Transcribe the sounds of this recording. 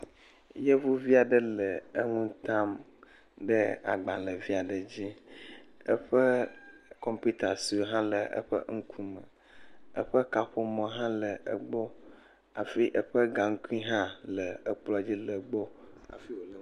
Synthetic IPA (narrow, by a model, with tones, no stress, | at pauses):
je˦vu˦vi˦a˨ɖə˦lə˨ə˦ŋũ˦t̪ã˦m | ɖə˦a̰˨ɡ͡bã˨lə˨vi˦a˨ɖə˨d͡ʑi˦ | ə̰˦ɸə˦kɔ˨mpi˦t̪a˨si˨o˨ɦã˦lə˨ʔə̰˦ɸə̰˦ŋ̩˦kʰu˦mə˨ | ə̰˦ɸə˦ka˨ɸo˨mɔ̃˨ɦã˦lə˨ə̰˨ɡ͡bɔ˦ | a˨fi˦ʔə˦ɸə˦ɡa˨ŋ̩˦ku˦i˦ɦã˦lə˨ə˨k͡plɔ˦a˨d͡ʑi˦lə˨ɡ͡bo˦a̰˨fi˦wo˨lə˨˦